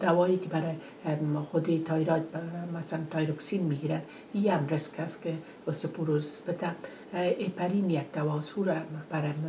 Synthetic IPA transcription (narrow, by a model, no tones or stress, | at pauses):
d̪̥awɔikɪbaɾɪ | xʊd̪et̪ʰɑiɾɑt̪̚masalant̪ɑjɾoksinmiɡiɾan | iamɾɪskaske | ʊst̪epuɾozb̥ɪt̪a | ʔepaɾinjaɡ̚d̪̥awɔsuɾab̥aɾɪ